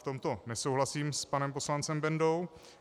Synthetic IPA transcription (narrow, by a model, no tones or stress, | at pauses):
t̪o̞mt̪o̞nɛso̞wɦlasiːmspanɛmp̬o̞slant͡sɛmbɛndo̞w